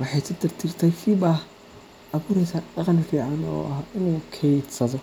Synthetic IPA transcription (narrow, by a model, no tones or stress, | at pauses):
wɑħɑjt̪ʰɐd̪ɪrt̪ʰɪrt̪ʰɛjfɪbɐh | ʔɐβuːɾɛjsaːdɑqɑnfiːʕɑnɔ̰ːʔɐhɪnuːkʰɛjd̪sɐðɔ